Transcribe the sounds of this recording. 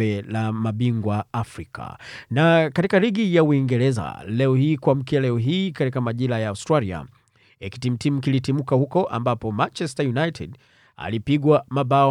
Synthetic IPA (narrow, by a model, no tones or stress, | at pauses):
ɛlamaɓiŋɡwaafɾikʰa̰nakatikaliɠijauiŋɡɛɾɛza̰lɛɔhiːkwam̩kialɛɔɦiːkatikamaʄilajaːustɾalia̰ | ɛki̥tim̩tim̩kilitimukahukɔʔambapɔmant͡ʃɛstajunajtʰɛ̰d | a̰lipiɠwamaɓaɔ